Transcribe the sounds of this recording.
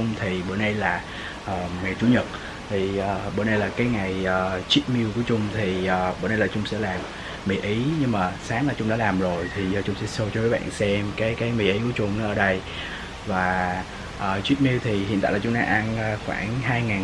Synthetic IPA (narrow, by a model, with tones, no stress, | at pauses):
ʊ˧ŋ͡mt̪ʰi˨˩ɓə̰ː˧˩ɗə˧jlaː˨˩ | ʔəː˨˩mɛ˨˩t͡ɕu˨˦ɲə˨˩t̚ | t̪ʰi˨˩ʔəː˨˩ɓə̰˧˩nɗə˧jlaː˨˩kaː˨˦jŋa˨˩jəː˨˩t͡ɕwi˦˥t̚mi˧əwku˧˩ət͡ɕʊ˧ŋ͡mt̪ʰi˨˩ʔəː˨˩ɓəː˧˩nə˧jlaː˨˩t͡ɕʊ˧ŋ͡msɛ̰˧˥laː˨˩m | mi˨˩ʔi˨˦ɲɨ˧ŋmaː˨˩saː˨˦ŋlaː˨˩t͡ɕʊ˧ŋ͡mɗaː˧˦laː˨˩mzo˨˩jt̪ʰi˨˩zɔ˧˩t͡ɕʊ˧ŋ͡msɛ̰˧˥so˧t͡ɕɔ˧kːaː˨˦˥ɓa̰ː˧˨nsɛ˧mkaː˨˦jkaː˨˦jmi˨˩ʔi˨˦ku˧˩˦t͡ɕʊ˧ŋ͡mnɔ˨˦əː˧˩˦ɗə˧j | vaː˨˩ | ʔəː˨˩t͡ɕwi˦˥t̚mi˧əwt̪ʰi˨˩ɦḭ˨˧˨nt̪a̰ː˧˨laː˨˩t͡ɕʊ˨˦ŋ͡mɗa̰ː˧˦ʔa˧nː˧xwa̰ː˧˩nɦaː˧jŋaː˨˩